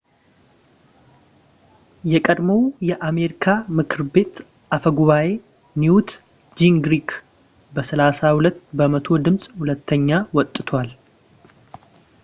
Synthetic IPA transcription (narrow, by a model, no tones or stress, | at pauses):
jɛkʼəd̪məwjɛʔame̞ɾikʰamɨkʰɨɾbe̞t̪ | ʔafəɡuβaje̞ | niut̪ | d͡ʒiŋɡɾik | bəsəlasahulət̪ːbəmət̪ʰo̞d̪ɨmsʼhulət̪ʰːəɲːawɔt̪ʼːɨt̪ʰwal